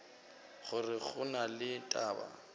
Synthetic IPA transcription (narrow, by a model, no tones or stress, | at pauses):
χʊrɪχʊnalɪtʼaːba̰